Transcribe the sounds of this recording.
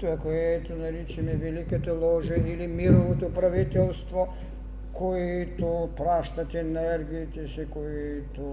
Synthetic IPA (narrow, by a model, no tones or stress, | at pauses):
t̪oakoɛt̪onaɾit͡ʃɛmɛvɛlikat̪ɛlˠɔʒɛilimiɾoʋot̪opɾaʋit̪ɛlˠst̪vo | koiit̪opɾaʃt̪at̪ɛnɛɾɡiːt̪ɛsikoji | t̪o